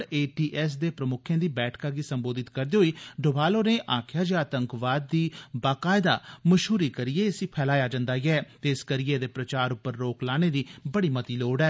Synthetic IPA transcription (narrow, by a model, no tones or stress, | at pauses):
ɽeːʈiːʔɛːs̬d̪eːpɾəmʊkʰjẽːd̪iːbɛːʈʰkaːɡiːsəmboːd̪ɪt̪kəɾd̪eːɦoiːɖʊbaːloːneːʔaːkʰɪjaːd͡ʒaət̪əŋkʋaːd̪ːiːbaːkaːɪd̪a̰ːməʃɦuːɾiːkəɾɪjeːsĩːpʰɛːlaːjaːd͡ʒãnd̪aːɡɛːt̪eːskəɾɪeːd̪eːpɾət͡ʃaːɾʊpːəɾːoːklaːñeːd̪iːbəɽiːmət̪iːloːɖɛː